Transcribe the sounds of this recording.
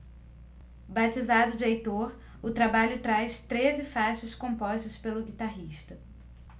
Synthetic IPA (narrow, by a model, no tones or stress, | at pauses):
bat͡ʃizad̪ʊd͡ʒajt̪oɾ | ʊt̪ɾabaʎʊt̪ɾajst̪ɾezɪfaʃɐskõmpɔʃt̪ɐspelʊɡit̪aɦiʃt̪ɐ